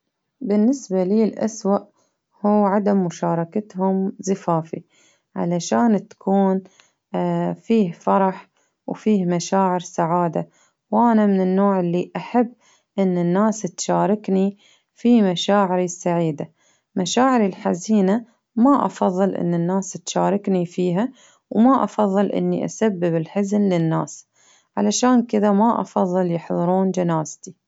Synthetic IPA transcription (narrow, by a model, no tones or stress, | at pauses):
bɪnːɪsbaliːlʔa̰swaʔ | huːʕad̪amːʊʃɑːɾˤɑkat̪hʊmzɪfaːfi | ʕa̰laʃaːnt̪ḁkʰuːn | fiːhfɑɾˤɑħ | wfiːhmaʃaːʕɪɾsaʕaːd̪a | wʔanamɪnɪnːoːʕɪlːiʔaħabː | ʔɪnːɪnːaːst̪ʃaːɾˤɪkni | fimaʃaːʕɪɾisːaʕiːd̪a | maʃaːʕɪɾilħaziːna | maʔɑ̰fɑðˤːɨlʔɪ̰nːɪnːaːst̪ʃaːɾˤɪknifiːɦa | wmaʔɑ̰fɑðˤːɨlʔɪ̰nːḭʔa̰sabːɪbɪlħɪznlɪnːaːs | ʕalaʃaːnkɪðamaʔɑ̰fɑðˤːɨljɪħðˤɨɾuːnd͡ʒanaːzt̪i